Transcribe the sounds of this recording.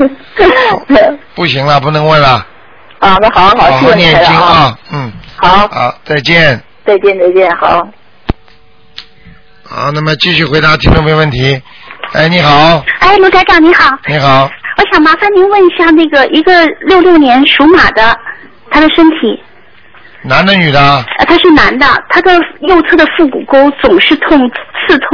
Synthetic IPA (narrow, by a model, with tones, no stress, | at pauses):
pu˥˩ɕi˧˥ŋlə˧pu˧˥˩nɤ˧˥ŋwə˥˩nlə˩˥˩ | mə˧˥xɑ˨˦xɑ˨˩˦njɛ˥˧˩i˥ŋ˦ɐ˥˧˩n̩˥˩xɑ˨˩˦ʊ˧t͡sa˥˧ɪt͡ɕjɛ˥˩n | t͡sa˥˧ɪt͡ɕjɛ˥˧nt͡sa˥˧ɪt͡ɕjɛ˥˩nxɑ˨˩˦ | ə̰˥˧na˥˩mə˩t͡ɕi˥˧ɕy˥˩xwe˧˥ɪd̪a˧˥t̪ʰi˥me˥˧me˧wə˥˩nt̪ʰi˧˥ | a̰˥˩ɪni˧˥xɑ˨˩˦ʊa˥˩ɪnu˥ka˥ɪʈ͡ʂjɑ˥˩ni˧˥xɑ˨˩˦ʊi˧˥xɑ˨˩˦ʊwɔ˧˥ɕjɑ˨˩ŋma˧˥fa˥˩ni˧˥nwə˥˩ni˥ɕja˥˧na˥˩ɡə˩ʔi˧˥ɡə˧ljo˥˧ʊljo˥˩ʊnjɛ˧˥nʂu˧˥ma̰˨˩d̪ə˦ | t̪ʰa˥d̪ə˨ʂə˥nt̪ʰi˨˩˦ | na˧˥nd̪ə˧ny˨˩d̪ə˦˧t̪ʰa˥ʂɻ̩˥˩na˧˥nd̪ə̰˧t̪ʰa˥d̪ə˨jo˥˩˧ʊt͡sʰɤ˥d̪ə˨fu˥˩kṵ˨˩ko˥ʊt͡sʊ˨˩ŋʂɻ̩˥˧t̪ʰʊ˥˧ŋt͡sʰɹ̩˥˧t̪ʰʊ˥